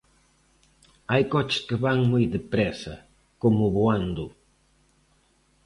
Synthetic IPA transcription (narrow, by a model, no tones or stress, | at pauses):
ajkɔt͡ʃɪ̥skeβaŋmojðɪpɾɛsɐ | komʊβuand̪ʊ